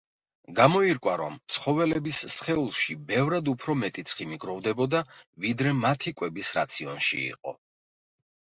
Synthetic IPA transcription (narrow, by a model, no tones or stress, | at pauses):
ɡamɔiɾkʼwaɾɔ̰mt̪sʰχɔvɛlɛbisːχɛulˠʃibɛvɾad̪upʰɾɔmɛt̪ʼit̪sʰχimiɡɾɔvd̪ɛbɔd̪avid̪ɾɛmat̪ʰikʼwɛbisɾa̰t̪sʰiɔnʃḭḭqʼɔ̰